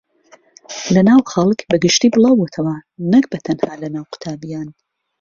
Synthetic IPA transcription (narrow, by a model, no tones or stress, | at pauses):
lɐnaːwxɐlˠkbɐɡɨʃt̪iːbɨlˠɑːwot̪ʰɐwɐnɨk̚bɐt̪ʰɐnhaːlɐnaːwqʊ̥t̪ʰaːbijaːn